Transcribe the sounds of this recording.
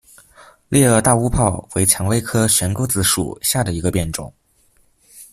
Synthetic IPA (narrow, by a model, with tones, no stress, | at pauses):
lʔjɛ˥˧ə˥˧t̪a˥˧u˥pʰɑ˥˩ʊwe˧˥ɪt͡ɕʰjɑ˧˥ŋwe˥ɪkʰɤ˥ɕɥɛ˧˥nko˥ʊt͡sɹ̩˧˩ʂṵ˨˩ɕja˥˩d̪ə˩i˧˥ɡə˧pjɛ˥˩nʈ͡ʂʊ̰˨˩˦ŋ